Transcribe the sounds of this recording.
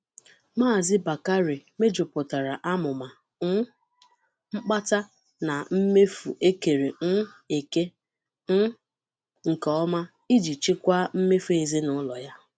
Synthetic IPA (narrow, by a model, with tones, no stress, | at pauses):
maː˦˨zɪ˦ba˨ka˦ɾi˨me˦d͡ʒu˨pʊ˨ta˨ɾa˨ʔa˦mʊ˨ma˨˦ | ŋ͡m̩˦k͡pa˦ta˦ | na˨m̩˦me˦fu˨ʔe˦ke˨ɾe˨n̩˦e˨ke˦ | ŋ̩˦ | ŋ̩˨kɔ˨ɔ˦ma˦ | i˦d͡ʒi˨t͡ʃi˦kʷa˦m̩˦me˦fu˦e˨zi˦nʊ˦lɔ˨ja˦